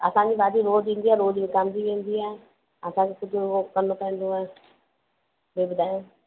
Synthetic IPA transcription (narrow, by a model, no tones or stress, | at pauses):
əsãːd͡ʒiːʋaːd̪iːɾoːd͡ʒĩːnd̪iːɛːɾoːd͡ʒʋĩːkamd̪iːʋẽːnd̪iːɛː | əsãːkekʊd͡ʒioːkənːõːpɛ̃ːnd̪õːɛː | beːbəd̪aːeː